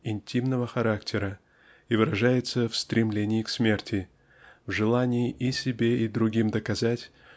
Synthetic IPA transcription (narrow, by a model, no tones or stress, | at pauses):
ɪnʲtʲimnəvəxɐɾaktʲʰɪɾə | ivɨɾɐʐajɪt̪səfst̪ɾʲɪmlʲenʲɪːksmʲe̞rtʲɪ | vʐɨlˠanʲɪɪʔisʲɪbʲeid̪ɾʊɡʲimd̪əkɐzatʲ